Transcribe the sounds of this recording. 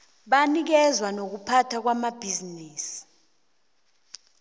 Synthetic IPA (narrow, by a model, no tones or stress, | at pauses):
ɓanik̬ɛzwanok̬upʰatʰak̬wamab̥ʱiziniːsi̥